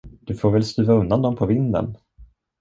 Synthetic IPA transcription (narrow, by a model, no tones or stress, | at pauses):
d̪̥ɵfoːɾvɛlst̪ʉ̟ːvaɵnd̪and̪ɔmpʰɔvɪnd̪ə̰n